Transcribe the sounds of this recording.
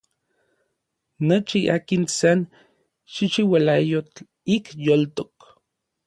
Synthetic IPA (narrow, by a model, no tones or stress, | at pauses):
not͡ʃiʔa̰ːkinsan | ʃiʃiwalajot͡ɬ | ikjolt̪ok